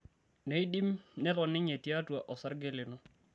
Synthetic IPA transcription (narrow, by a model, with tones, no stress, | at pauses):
ne˨˦i˦di˦mnɪ˦kɔ˨nɪ˦ɲe˨ti˦a˦twa˨ʔɔ˨sa˦ɾɡɪ˦lɪ˨nɔ˦